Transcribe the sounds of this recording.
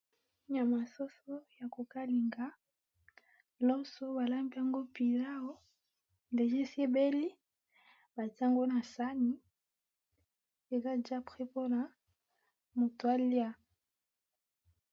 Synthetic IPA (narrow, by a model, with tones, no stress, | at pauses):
ɲa˨ma˨so˦so˦ja˨ko˨ka˦li˨ŋɡa˦ | lɔ˦so˦ba˨la˦mbi˦a˦˨ŋɡo˦pi˨la˦o˦ | nde˨ʒe˦si˦e˦be˦li˦ | ba˨tŋɡo˦na˨sa˦ni˦ | e˨ka˦d͡ʒa˦pχe˦po˦na˨ | mo˨to˨a˦lja˦